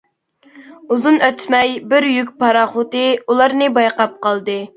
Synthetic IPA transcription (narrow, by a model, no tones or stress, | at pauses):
uzunøt̪ʰmɛjbɪɾjyk̬ʲpɑɾɑχʊt̪ɨulˠɑɾnɨbɑjqɑp̚qɑlˠd̪ɨ